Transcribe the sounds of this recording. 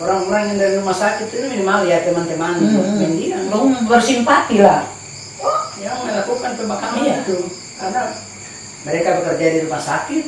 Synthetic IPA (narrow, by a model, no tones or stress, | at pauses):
ɔɾaŋuɾaŋjaŋdaɾilumasakit̪ːit̪umɛmaljat̪ɛmant̪ɛmaniɔmand͡ʒiaŋdɔbərsimpat̪ila | ɔd͡ʒaaŋnɛlakukanp̪ɛmakamiat̪u | ada | mɛɾɛkabɛkərd͡ʒadilumasakit̪̚